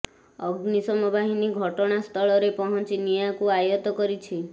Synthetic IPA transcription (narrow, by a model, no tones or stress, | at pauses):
ɔɡnisɔmɔbʱaɦiniɡʱɔʈɔɽ̃ast̪ʰɔɭɔɾepɔɦɔnt͡ʃinijakuajɔt̪ɔkɔɾit͡ʃʰi